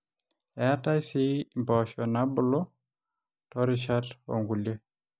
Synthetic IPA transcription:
ɛata˦jsi˦mbɔ˨ʃɔna˦bʊ˦lɔ˦ | tɔɾɪʃato̰˨ŋɡu˨lje˦

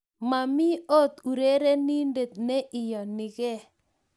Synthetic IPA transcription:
ma˨mɪ˦o˦t̪u˨ɾe˦ɾe˦ni˦nde˨t̪̚ne˦ʔɪ˨jɔ˨nɪ˨kɛ˦˨

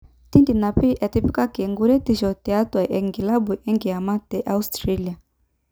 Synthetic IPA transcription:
ti˦nti˨na˨pi˦ʔɛ˨ti˦pi˦ka˦kɛ˨ŋɡu˦ɾɛ˦ti˦ʃɔ˨tɛ˨a˦twa˨ʔɛ˨ŋɡi˨la˦bu˨ʔɛ˦ŋɡi˨a˨ma˦tɛ˨ʔa˦u˦stɾa˦li˨a˨

